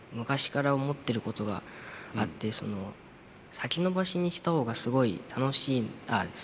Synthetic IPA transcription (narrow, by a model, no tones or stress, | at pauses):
mɯ̟kaɕi̥kaɾaomo̞t̪ːe̞ɾɯ̟ko̞t̪o̞ɡa̰at̪ːe̞so̞no̞ | sakʲino̞baɕiɲ̟iɕi̥t̪aho̞ːɡasɨɡo̞ḭt̪ʰano̞ɕiːna̰d̪es